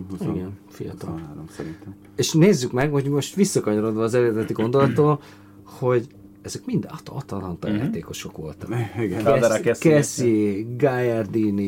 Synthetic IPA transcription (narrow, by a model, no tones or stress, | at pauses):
iiɡɛnfijɒ̰t̪ɒlːɾomsɛɾint̪ɛ | eːʃneːzːykmɛɡho̞ɟmo̞ʃt̪ʋisːɒkɒɲo̞ɾo̞d̪ʋɒːzɛɾeːrd̪ɛt̪iɡo̞nd̪o̞lɒt̪oːl | ho̞ɟ | ɛzɛkmind̪ɒt̪ɒ̰t̪ɒlɒnt̪ɒ̰ja̰ːt̪eːko̞ʃo̞kʋo̞̰lt̪ɒiɡɛaɛdɛɾakɛskɛsiɡajɛrd̪ini